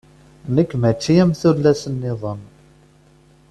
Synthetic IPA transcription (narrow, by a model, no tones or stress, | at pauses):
nəkːmæt͡ʃːijæmθulːæsənːɪðˤən